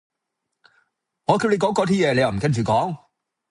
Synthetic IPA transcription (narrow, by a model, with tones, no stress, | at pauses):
ŋɔː˨˧kʰwle˨˧jkɔː˨˥ŋkɔː˨˥t̪ʰiː˥jɛː˨˧le˨˧ja˨m̩˨˩kɐ˥nt͡ʃyː˨˩kɔː˨˥ŋ